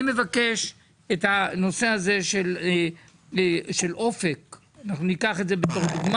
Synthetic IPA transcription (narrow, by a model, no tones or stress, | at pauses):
me̞vake̞ʃ | ethano̞se̞aze̞ʃel | ʃe̞lʔo̞fe̞k | anaχnunikaχetze̞beto̞χd̪uɡma